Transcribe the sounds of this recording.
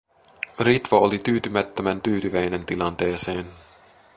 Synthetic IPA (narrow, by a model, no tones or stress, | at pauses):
rit̪ʋɑolit̪yːt̪ymæt̪ːømænt̪yːt̪yʋæjne̞nt̪ilɑnt̪e̞ːse̞ːn